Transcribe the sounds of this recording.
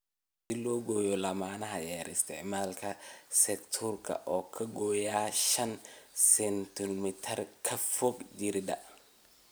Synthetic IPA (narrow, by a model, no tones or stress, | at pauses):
sɪlɔːɡɔjɔlɐmaːnɐɦɐjɛɾɪst̪ʰɛʕmaːlkʰɐsɛkt̪ʰurkʰɐ̰ʔɔːkʰɐɡɔːjaːʃɐnsɛnt̪ʰʊnmɪt̪ʰɐrkʰɐfɔɡd͡ʒɪɾd̪ɐ